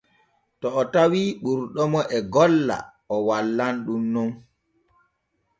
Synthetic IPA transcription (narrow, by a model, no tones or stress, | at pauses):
tɔːtawiɓuɾɗɔmɔʔɛɡɔlːa̰ | ɔwalːanɗunːɔm